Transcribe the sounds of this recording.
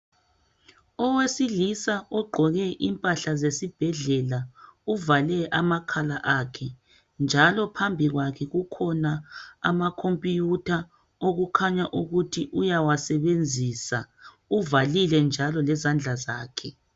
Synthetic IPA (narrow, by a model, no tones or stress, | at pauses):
ɔwesilisaʔɔɡ͡ǃʱɔɣɛʔimpʼaɬazesib̥ʱɛɮɛlauvalɛʔamakʰalaʔakʰɛ | nd͡ʒʱalɔpʰambʱiɣwakʰɛɣukʰɔnaa̰makʰompʼijutʰa | oɣukʰaɲaʔuɣutʰiʔujawasɛβend͡zʱiːsa | uvalilɛnd͡ʒʱalɔlɛzand͡ɮʱazaːkʰɛ